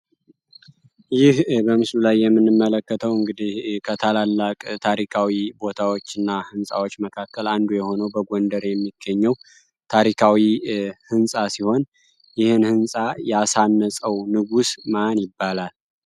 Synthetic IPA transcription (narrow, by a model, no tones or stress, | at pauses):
jɪhbəmɨslulajːɛmːɨnːɨmːələkːət̪ʰəwɨŋɡɨd̪ihkʰət̪ʰalalːakʼt̪ʰaɾikʰawibo̞t̪ʰawot͡ʃːɨnːahɨnsʼa̰wot͡ʃːməkʰakːəland̪ujɛho̞nəwbəɡond̪əɾjɛmːiɡːəɲːɛw | t̪ʰaɾikʰawihɨnsʼasiho̞n | jɪhɨnhɨnsʼajɛasanːəsʼəwnɨɡusmanjɪbːalal